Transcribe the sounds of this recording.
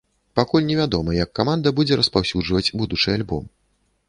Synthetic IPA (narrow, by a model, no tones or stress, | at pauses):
pakulʲnʲɛvʲad̪ɔmɐjɐkːamand̪ɐbud͡zʲɛɾɐspawsʲud͡ʐvɐt͡sʲbud̪ut͡ʂɨjalʲbɔ̰m